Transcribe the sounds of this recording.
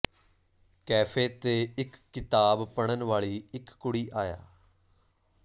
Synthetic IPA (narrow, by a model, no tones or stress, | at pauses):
kɛːpʰeːt̪eːɪkːɪt̪aːbpəɽ̃ənʋaːɭiːɪkːʊɽiːʔaːja̰ː